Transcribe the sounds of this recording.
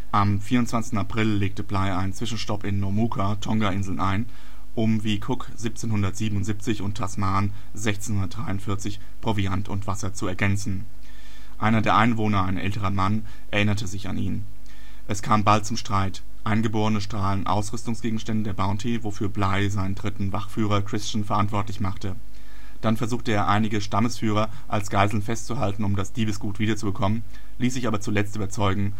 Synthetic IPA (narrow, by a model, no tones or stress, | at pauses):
ʔamfiːɐʁʊntt͡sv̥ant͡sɪçtn̩apʁ̥ɪlleːk̚təblaɪaɪnt͡sv̥ɪʃn̩ʃtɔpɪnːɔmuːkʰatʰɔŋɡaʔɪnzl̩nʔaɪn | ʔʊmviːkʰʊkz̥iːp̚t͡seːnhʊndɐtz̥iːbəm̩ʊntz̥ip̚t͡sɪçʊntʰːasmaːn | zɛçt͡senhʊndɐt̚d̥ʁaɪʊntfɪɐt͡sɪç | pʁ̥oviantʰʊntv̥asɐt͡suɛɐɡɛnt͡sn̩ | ʔa̰ɪnɐdeːɐʔaɪnvoːnɐaɪnʔɛ̰ltəʁɐman | ʔɛɐʔɪnɐtʰəzɪça̰niːn | ʔɛskʰaːmbalt̚t͡sʊmʃtʁ̥aɪt | ʔaɪnɡəboːʁənəʃtʁ̥aːlənʔa̰ʊsʁ̥ʏstʊŋsɡ̥eːɡŋ̩ʃtɛndədeːɐbaʊntʰivofyːɐblaɪzaɪnəndʁɪtn̩vaχfyːʁɐkʁ̥ɪst͡ʃn̩fɛɐʔantv̥ɔɐtlɪçmaχtə | d̥anfɛɐzuːχtəeːɐʔaɪnɪɡəʃtaməsfyːʁ̞ɐ | ʔalsɡ̥aɪzl̩n̩fɛstt͡suɦaltn̩ʊmdasd̥iːbəsɡ̥uːtv̥iːdɐt͡subəkʰɔmən | liːsz̥ɪçaːbɐt͡sulɛt͡styːbɐt͡sɔʏɡŋ̩